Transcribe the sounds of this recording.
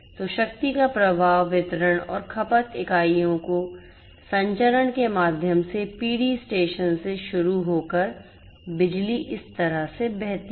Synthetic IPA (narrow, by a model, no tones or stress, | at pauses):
t̪oʃɐkt̪ikapɾɐbʱaːʋːɪt̪ɾəɽ̃ɔ̰ːɾkʰɐpət̪ɪkaːijõko | sɐ̃ɲt͡ʃəɾəɽkemaːd̪ʱjəmsepiːɽisʈeːʃənseʃʊɾuɦoːkəɾ | bɪd͡ʒliʔɪst̪ɐɾəɦsebɛɦt̪